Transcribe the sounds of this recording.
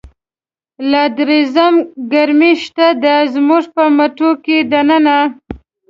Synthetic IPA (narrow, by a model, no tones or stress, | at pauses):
lad̪ɾezamɡaɾmiʃt̪ad̪əzmuʐpəmaʈoked̪anəna